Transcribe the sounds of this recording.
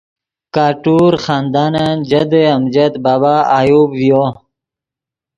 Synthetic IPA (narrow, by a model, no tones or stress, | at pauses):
kaːʈuːɾxaːnd̪aːnand͡ʑɐd̪eɐmd͡ʑɐt̪baːbaːaːjuːbvijoː